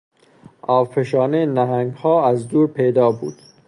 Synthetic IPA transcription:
ʔɒːvpʰeʃɒːnenæɦæŋɡhɒːæzd̪uːɾpʰejd̪ɒːbṵːd̪̥

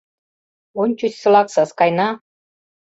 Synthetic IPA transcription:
onʲt͡ɕysʲsɤ̆lɑksɑskɑjnɑ

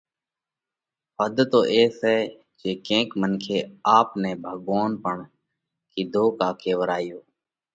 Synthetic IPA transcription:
pəd̪t̪oːʔeːsɦɛː | d͡ʒeːkẽːkmənkʰeːaːpnɛ̃ːbʱəɠʋoːnpəɳ | kiːd̪ʱoːkaːkʰeːʋəɾaːjoː

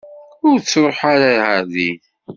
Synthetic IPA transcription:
ʊɾt͡sːɾˤoħaɾahæðiθ

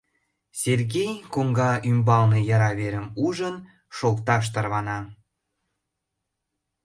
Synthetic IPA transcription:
serɣejkoŋɡɑʔymbɑlnejɑɾɑβeɾəmuʒən | ʃokt̪ɑʃ̬t̪ərβɑnɑ

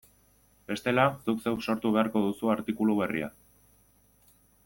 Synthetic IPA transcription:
be̞st̪e̞lasukse̞wso̞ɾt̪uβ̞e̞aɾko̞ðusuaɾt̪ikuluβ̞e̞rḭa̰

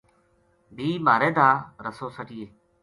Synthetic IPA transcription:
bʱiːmaːɾẽːd̪ʱaːɾəsoːsəʈiːeː

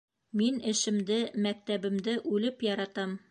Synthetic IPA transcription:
minɘ̆ʃɘ̆md̪ɘmæk̚t̪æbɘ̆md̪ɘʔʉlɘpjɒɾɑt̪ɑm

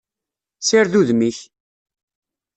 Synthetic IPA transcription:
siɾðuðmiç

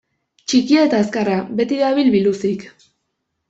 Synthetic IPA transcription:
t͡ʃikiaet̪aeskaraβe̞t̪iðaβilβilusik

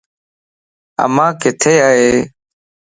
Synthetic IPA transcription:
ə̰mãːkɪt̪ʰeːaːɦeː

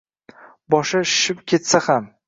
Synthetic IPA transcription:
bɒʃaʃɪ̥ʃɪpkʲʰe̞t̪saham

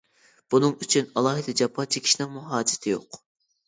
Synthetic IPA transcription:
b̥unɨŋyt͡ʃʰynɑlˠɑːɦɨd̪ɨd͡ʒɑpʰːɑnt͡ʃʰikʲʰi̥ʃinɪŋmuɦɑːd͡ʒɪ̥t̪ʰɪjo̰q

